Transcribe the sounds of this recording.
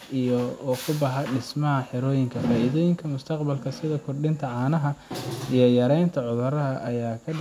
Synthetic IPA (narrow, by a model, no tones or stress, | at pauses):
ʔijɔɔːkʰʊbɑħɐɖɪsmɐɦɐħɪɾɔːjɪŋkʰɐfaːʔiðɔːjɪŋkʰɐmʊst̪ʰɐqbɐlkʰɐsɪðɐkʰʊrɖɪnt̪ʰɐʕɑːnɐɦɐijɔjɐɾɛjnt̪ʰɐʕʊðʊɾɐɦɐʔɐjaːkʰɐ